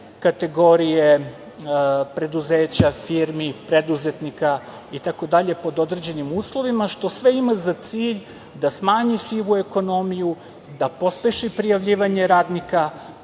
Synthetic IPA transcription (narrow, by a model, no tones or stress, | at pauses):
kat̪e̞ɡo̞ɾije̞ | pɾe̞d̪uzeːt͡ɕafiɾmipɾed̪uze̞t̪nika | it̪ako̞d̪aʎe̞po̞d̪o̞d̪ɾed͡ʑe̞nimuːslˠo̞ʋimaʃt̪o̞sʋeimazat̪siːʎ | d̪asmaːɲisiʋue̞ko̞no̞miju | d̪apo̞spʲeʃipɾijaʋʎiːʋaɲeɾaːd̪nika